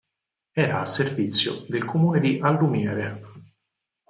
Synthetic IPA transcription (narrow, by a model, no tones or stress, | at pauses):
ɛːɾaːsːervit̪sːjo̰d̪elkʰomuːned̪iʔalːumjɛːɾe